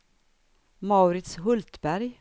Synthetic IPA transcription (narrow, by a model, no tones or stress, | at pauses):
maʉɾɪt̪sɦɵlt̪bæɾj